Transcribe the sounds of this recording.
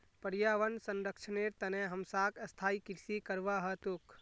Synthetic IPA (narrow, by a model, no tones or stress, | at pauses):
pəɾjaʋənsənɾəkt͡ʃʰəneɾt̪əneɦəmsakəst̪ʰaːikiɾsikəɾʋaɦət̪uk